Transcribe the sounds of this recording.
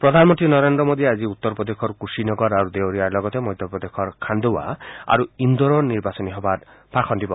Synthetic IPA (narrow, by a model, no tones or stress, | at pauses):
pɾɔd̪ʱanmɔnt̪inɔɾend̪ɾɔmod̪ʱiad͡ʒiut̪ːɔɾpɾɔd̪ekʰɔɾkusinɔɡɔɾaɾud̪ewɾijaɾlɔɡɔt̪emɔjd̪ʱjɔpɾɔd̪ekʰɔɾkʰand̪owa̰a̰ɾuind̪ɔɾɔniɾbasɔniɦɔbaɾ | b̥ʰʱakʰɔnd̪ibɔ